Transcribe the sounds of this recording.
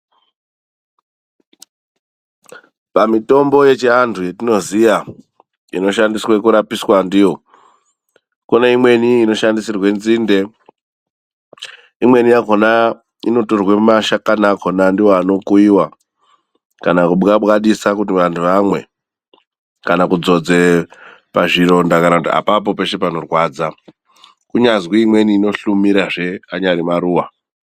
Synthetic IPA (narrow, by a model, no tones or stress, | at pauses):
pamito̞mbo̞je̞t͡ʃiantʰuje̞tino̞zija | ḭno̞ʃandiswekuɾapiswandijo̞ | koneimwe̞niːno̞ʃandisirwe̞nziːnde̞ | imwe̞nijakona | ino̞torwemaʃakanakʰo̞nandiwoano̞kuiwa | kanakuɓɡaɓɣaɗisakut̬iʋantʰuʋamwe̞̰ | kanakud͡zo̞d͡ze̞paʐiɾo̞ndakanakutia̰pap̬o̞pe̞ʃe̞pano̞rwad͡za | kuɲazwiimwe̞niːno̞ɬumiɾaʐe̞aɲaɾimaɾuːwa